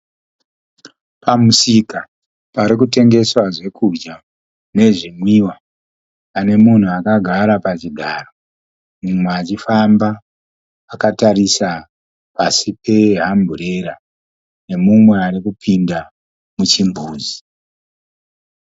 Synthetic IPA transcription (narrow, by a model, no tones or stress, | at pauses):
pʰamusika | paɾikute̞ŋɡe̞swaʐe̞kʰud͡ʒa | ne̞ʐimwiwaː | ne̞mun̤uakaɡʱaɾapat͡ʃiɡʱaro | mumweat͡ʃifambaː | kataɾisa | pasipʰe̞ɦambʱure̞ɾa | ne̞mumweaɾikupʰinda | mut͡ʃimbʱuːzi